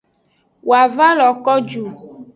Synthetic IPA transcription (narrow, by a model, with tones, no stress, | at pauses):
wʔo˨a˨va˦lɔ˨kɔ˦d͡ʒu˨